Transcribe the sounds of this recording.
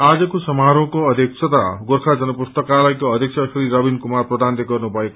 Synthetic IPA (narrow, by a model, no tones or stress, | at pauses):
ad͡zʌkosʌmaɾõkoʌd̪ʱjek̚sʰʌt̪aɡoɾkʰad͡zʌnʌpust̪ʌkalajkoʌd̪ʱjek̚sʰasɾiɾʌbinkumarprʌd̪and̪eɡʌrnubʱʌek